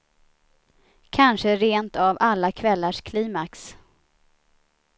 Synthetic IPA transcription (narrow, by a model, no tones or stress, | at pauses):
kʰanʂəɾeːnt̪avalːakʰvɛlːaʂkʰliːmaks